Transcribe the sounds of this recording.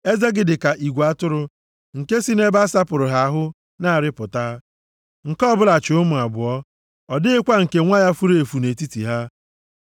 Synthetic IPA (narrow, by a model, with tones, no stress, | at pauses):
e˦ze˦ɡɪ˨dɪ˨ka˨ʔi˨ɡʷa˦tʊ˦ɾʊ˦ | ŋ̩˨ke˦si˦ne˦ba˦sa˦pʊ˨ɾʊ˨ɦa˦a˦ɦʊ˦ | na˦a˨ɾɪ˦pʊ˨ta˦ | ŋ̩˨kɔ˦bʊ˦la˨t͡ʃʊ˨ʊ˦mʊ˨a˨bʊ˨ɔ˦ | ɔ˨dɪ˦ɪ˦kʷa˦ŋ̩˨ke˨ŋʷa˦ja˦fu˦ɾe˨fu˨ne˨ti˦tḭ˨ɦa˦